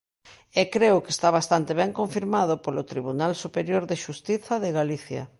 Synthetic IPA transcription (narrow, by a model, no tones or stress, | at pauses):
ɛkɾeʊkest̪aβ̞ast̪ant̪eβɛŋkoɱfiɾmaðʊpolot̪ɾiβ̞unalsupeɾjoɾðeʃust̪iθɐðeɣaliθjɐ̰